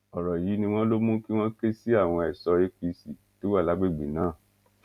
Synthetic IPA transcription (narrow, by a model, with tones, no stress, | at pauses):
ɔ˨ɾɔ˨ji˨˦nĩ˧w̃ɔ̃˦lo˦mũ˦ki˦w̃ɔ̃˦ke˦si˦a˦˨w̃ɔ̃˧ɛ˨sɔ˧e˦k͡pi˧˦si˨ | to˨˦wa˦˨la˨˦ɡ͡be˦˨ɡ͡bi˨nãː˨˦˨